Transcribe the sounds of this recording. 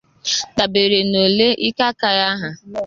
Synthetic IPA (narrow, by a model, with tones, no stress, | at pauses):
ta˨be˨ɾe˨no˨le˦ʔi˦ka˦ka˦ja˦ɦa˨